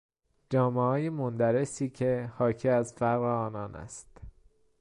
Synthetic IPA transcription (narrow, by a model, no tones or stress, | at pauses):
d͡ʒɒːmehɒːjemond̪æɾe̞siːcʰe̞hɒːcʰiːæzfæɣɣeɒːnɒːnæ̰st̪